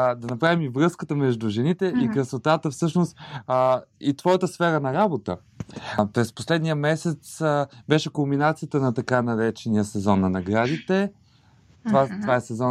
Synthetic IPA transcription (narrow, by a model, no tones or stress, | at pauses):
d̪ɐnɐpɾavimivɾɤskət̪əmɛʒd̪uʒɛnit̪ɛʔikɾəsvˠot̪at̪əfsɤʃnost̪ | it̪vɔjət̪əsfɛɾənɐɾabot̪ə | pɾɛspo̥slɛd̪nijəmɛsɛt̪sbɛʃɛkombinat̪sijət̪ənɐt̪ɐkanɐɾɛt͡ʃɛnijəsɛzɔnːɐnɐɡɾad̪it̪ɛ | t̪ovat̪ovaɛsɛzɔ